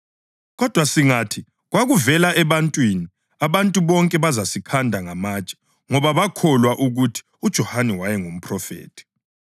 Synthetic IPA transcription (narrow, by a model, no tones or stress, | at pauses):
ɣɔd̥ʱwasiŋatʰi | ɣwaɣuvɛlaʔɛβantʼwini | aβantʼuβɔŋkʼɛβazasikʰandʱaŋamaːt͡ʃʼḁ | ŋɔβaβakʰɔlwaʔuɣutʰi̥ud̥ʒ̥ʱɔhanɛwajɛŋum̩pʰrɔfḛːtʰi̥